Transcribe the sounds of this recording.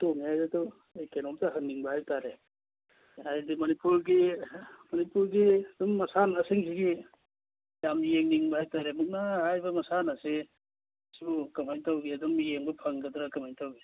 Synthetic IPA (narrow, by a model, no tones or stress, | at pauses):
toŋiajdatɔ | ejkenɔmtaɦɐŋniŋbahajtaɾe | ajdimɐnipuɾɡimɐnipuɾɡidumːɐsanasiŋsiɡi | jamijeŋniŋbɐhajtaɾemuk̚nahajbɐmɐsanase | skɐmajtawɡiɐdumijeŋbɐpʰaŋɡɐdɾakɐmajtawɡi